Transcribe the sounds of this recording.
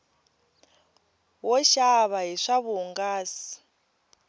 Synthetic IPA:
wɔʃaβaɦiʂaβuŋɡaːsi̥

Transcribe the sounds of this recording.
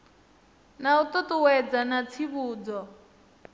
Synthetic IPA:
naut̪ʼɔt̪uwɛd͡zanat͡sʰiβuːd͡zɔ

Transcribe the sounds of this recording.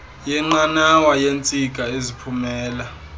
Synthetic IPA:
jɛŋ͡ǃanawajent͡sʼiɡʱʼaezipʰumɛːla

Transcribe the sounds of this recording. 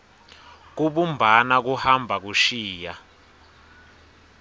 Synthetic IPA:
k̬uɓumbʱanak̬uhambʱak̬uʃiːja

